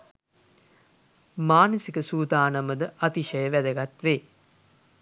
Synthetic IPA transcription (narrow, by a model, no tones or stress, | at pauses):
maːnəsikəsuːd̪aːnaməd̪əʔat̪iʃəjəʋæd̪əɡat̪ʋeː